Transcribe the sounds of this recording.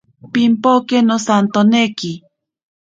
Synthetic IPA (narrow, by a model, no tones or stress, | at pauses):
pimpokenosant̪oneki